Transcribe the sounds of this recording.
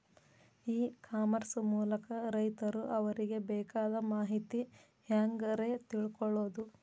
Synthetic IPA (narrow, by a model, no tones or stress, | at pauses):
iːkʰaːmɐɾsmuːlɐkɐɾɐjt̪ɐɾuʔɐʋɐɾiɡe̞bɛːkaːd̪ɐmaːɦit̪i | hjaːŋɡɐɾe̞t̪iɭkɔɭo̞ːd̪u